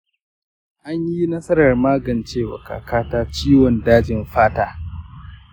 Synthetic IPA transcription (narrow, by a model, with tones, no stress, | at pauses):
ʔa˦ɲji˦nɐ˦sɐ˦ɾɐ˨rmaː˦ɡɐ˨nt͡ʃeː˦wɐ̰˨ka̰ː˨kaː˦taː˦t͡ʃiː˦wɔ˨ndaː˦d͡ʒɪ˨mɸaː˦taː˦